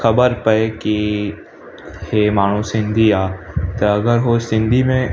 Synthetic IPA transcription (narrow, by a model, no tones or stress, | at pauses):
xɐbəɾpəeki | heːmaːɳ̤ũsɪ̃nd̪ʱiaːt̪oɐɡəɾɦosɪ̃nd̪ʱimẽ